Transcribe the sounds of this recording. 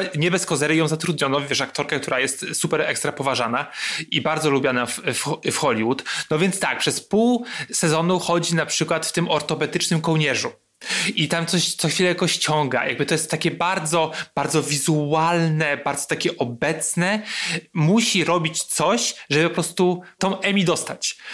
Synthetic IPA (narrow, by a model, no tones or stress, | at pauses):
ɲɛbɛskɔzɛɾɘjɔ̃w̃zat̪ɾud̪̚ɲɔnɔvʲjɛʂak̚t̪ɔɾkak̚t̪uɾajɛst̪supɛɾɛkst̪ɾapɔvaʐanaibaɾd̪zɔlubʲjanafffxɔlʲiwut̪nɔvʲjɛnt̪st̪ak̚pʂɛspuwsɛzɔnuxɔd͡ʑinapʂɘkwat̪ft̪ɘmɔɾt̪ɔpɛt̪ɘt͡ʂnɘmkɔwɲɛʐu | it̪amt̪sɔɕt̪sɔxʲfʲilɛjakɔɕt͡ɕɔŋɡa̰jʔa̰ɡ̚bɘt̪ɔjɛst̪ːakʲɛbaɾd̪zɔb̥aɾd̪zɔvʲizualnɛbaɾd̪zɔ̥t̪akʲɛʔɔbɛt̪snɛmuɕiɾɔbʲit͡ɕt̪sɔɕʐɛbɘpɔpɾɔst̪ut̪ɔ̃w̃ʔɛmʲid̪ɔst̪at͡ɕ